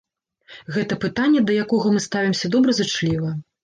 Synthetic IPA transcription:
ɣɛt̪ɐpɨt̪anʲːɛd̪ɐjakɔɣɐmɨst̪avʲimsʲɐd̪ɔbɾɐzɨt͡ʂlʲivɐ

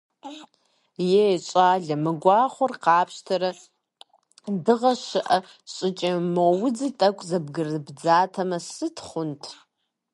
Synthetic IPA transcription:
jeɕʼaːɮɐmɨɡʷɑːχʷʊrqɑːpʰɕtʰɐɾɐ | dɨʁɐʃɨʔɐ | ɕʼɪt͡ʃʼɐmowʊd͡zitʼɐkʷʰʼzɐb̚ɡɨrɨbd͡zaːtʰɐmɐsɨtʰχʷʊntʰ

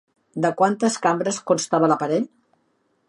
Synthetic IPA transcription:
d̪əkwant̪əskambɾəskunst̪aβələpəɾɛʎ

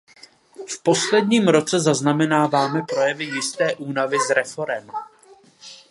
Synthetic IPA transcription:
fpo̞slɛdɲiːmɾo̞t͡sɛzaznamɛnaːvaːmɛpɾo̞jɛvɪjɪst̪ɛːʔuːnavɪzɾɛfo̞ɾɛm

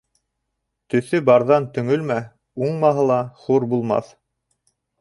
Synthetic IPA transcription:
t̪ɵ̆θɵbɑɾðɑnt̪ɵ̆ŋɵlmæ | uɴmɑɦɤlˠɑχuɾbulˠmɑ̰θ

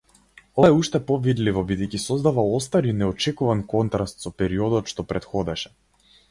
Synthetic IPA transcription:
ɔɛuʃt̪ɛpɔvid̪livɔbid̪ɛjcʲisɔzd̪avaɔst̪aɾinɛɔt͡ʃɛkuvankɔnt̪ɾast̪sɔpɛɾiɔd̪ɔt̪ʃt̪ɔpɾɛt̪xɔd̪ɛʃɛ̥

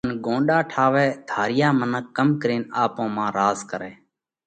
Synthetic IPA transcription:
nɡõːɗaːʈʰaːʋɛːd̪ʱaːɾɪjaːmənəkːəmkɾiːnaːpõːmãːɾaːzkəɾɛː

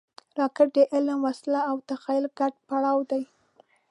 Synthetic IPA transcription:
ɾɑkɪʈ̚d̪əʔɪlmwaslaːwt̪axɑjɪlɡaɖ̚paɽɑwd̪aj

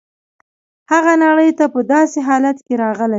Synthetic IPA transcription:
haɣanaɽəjt̪apəd̪ɑseɦɑlat̪keɾɑɣəla

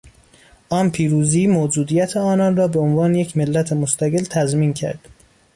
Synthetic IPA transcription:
ʔɒːmpʰiːɾuːziːmoːd͡ʒuːd̪ijæt̪ʰeɒːnɒːnrɒːbeonvɒːnejecʰmelːæt̪ʰemost̪æɣelt̪ʰæzmiːncʰæ̰ɾd̪̥

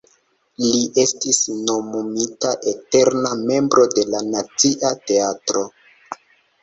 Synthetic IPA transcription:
liʔe̞stisno̞momitaʔe̞te̞ɾname̞mbɾo̞de̞lanat͡siʔate̞atɾo̞

